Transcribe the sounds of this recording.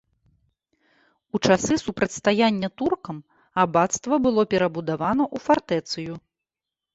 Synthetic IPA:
ut͡ʂasɨsupɾɐt͡sʲst̪ajanʲːɐt̪urkɐm | abat̪st̪vɐbɨlˠɔpʲɛɾɐbud̪avanɐʔufart̪ɛt̪sɨju

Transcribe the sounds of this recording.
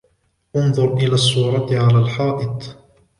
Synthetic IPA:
ʔʊnðˤʊɾˤʔɪlaːsˤːuːɾˤɑt̪ʕalaːlħɑːʔɪt̪ˤ

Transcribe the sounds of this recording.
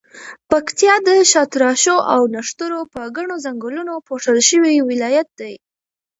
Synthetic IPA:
pakt̪jɑd̪əʃɑt̪ɾɑʃoʔawnaʂt̪əɾopəɡaɳozaŋɡəlunopoʂəlʃəwiwɪlɑjat̪̚d̪aj

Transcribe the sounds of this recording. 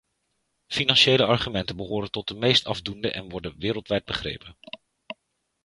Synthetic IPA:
finɑnʃejləɑɹχymɛntənbəɦoːɾəntɔt̚dəmejstɑvdundəʔɛ̰nʋɔɹdənʋɪːɾəlˠtʋɛjd̚bəχrḛjpən

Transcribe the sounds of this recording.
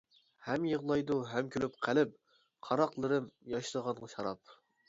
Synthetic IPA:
hɛmjəʁlˠɑjd̪uɦɛmkʲʰølyp̚qʰælɪp̚ | qʰɑɾɑqlˠɨɾɨmjɑʃlˠəʁɑnʁɑʃɑɾɑp̚

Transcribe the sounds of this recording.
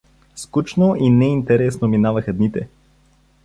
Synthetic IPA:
skut͡ʃnoʔinɛint̪ɛɾɛsnominavəxɐd̪nit̪ɛ

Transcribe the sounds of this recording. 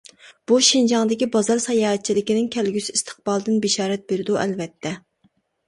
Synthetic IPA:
b̥uʃind͡ʒɑŋd̪ɪkʲibɑzɑɾsɑjɑːɦɛt̪̚t͡ʃʰilɪkʲinɪŋkʲʰɛlɡʲysiist̪ʰə̥q̚bɑlˠd̪ɨnbeʃɑːɾɛt̪̚beɾɪd̪uʔɛlvɛt̪ʰːɛ

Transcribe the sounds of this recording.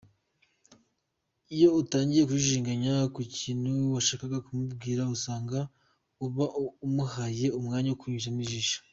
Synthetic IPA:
ijo̞utaːɲɟije̞k̬uʃiʃiːŋɡaɲakuciːnhuwaʃaːkaɡakumubɡiːɾausaːŋɡa | uβaʔumuhaje̞umŋaːɲaukuɲuʒaniʒiʃḁ

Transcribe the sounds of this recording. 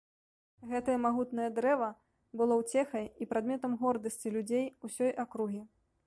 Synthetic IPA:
ɣɛt̪ɐjɐmaɣut̪nɐjɐd̪ɾɛvɐ | bɨlˠɔwt͡sʲɛxɐjipɾad̪mʲɛt̪ɐmɣɔrd̪ɐsʲt͡sʲilʲud͡zʲejusʲɔjʔakɾuɣʲi

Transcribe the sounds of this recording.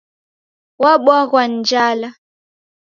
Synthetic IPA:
waɓwaɣwan̩d͡ʒala

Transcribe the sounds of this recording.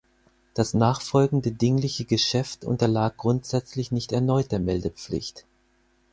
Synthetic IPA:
d̥asnaːχfɔlɡŋ̩dədɪŋlɪçəɡəʃɛftʔʊ̰ntɐlaːk̚ɡ̥ʁʊntz̥ɛt͡slɪçnɪçtɛɐnɔʏt̚d̥eːɐmɛldəp͡flɪ̰çt

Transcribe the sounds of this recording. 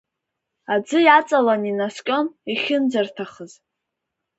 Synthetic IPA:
ad͡zɨjat͡sʼalaninaskʲʼo̞niχʲɪnd͡zartʰaχəz

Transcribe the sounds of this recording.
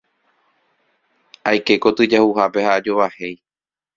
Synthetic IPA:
ajke̞ko̞t̪ɨd͡ʒahuhape̞haːd͡ʒoʋahe̞j

